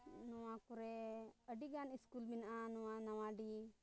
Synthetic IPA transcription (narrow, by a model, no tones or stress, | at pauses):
nɔwakuɾɛəɖiɡaniskulminʔanuwanɐwaɖi